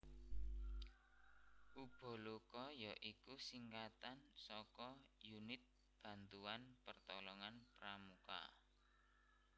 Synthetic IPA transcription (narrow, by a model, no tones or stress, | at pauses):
ʔub̥o̤lukɔjɔʔikusiŋkat̪ansɔkɔjunɪt̪̚ | b̥ä̤nt̪uanpərt̪ɔlɔŋanpɾamuka̰